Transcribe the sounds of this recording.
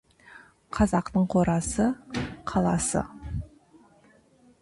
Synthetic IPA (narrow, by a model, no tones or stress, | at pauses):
qʰɑzɑqt̪əɴqʰo̞ɾɑsəqʰɑlˠɑsə̰